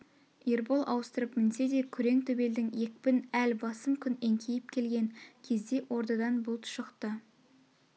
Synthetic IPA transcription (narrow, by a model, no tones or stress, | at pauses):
eɾbolˠʔɑ̰wəst̪əɾəpmɪnse̞d̪e̞kʲʰʏɾe̞ŋt̪ʰɵbe̞ld̪ɪŋje̞kʲpɪnælbɑsəmkʲʰʏneŋkʲʰejɪp̚kʲʰe̞lɡʲe̞ŋkʲʰe̞zd̪e̞ʔwʔo̞ɾt̪ɑd̪ɑnbʊlˠt̪ʰʊ̥ʃəqt̪ə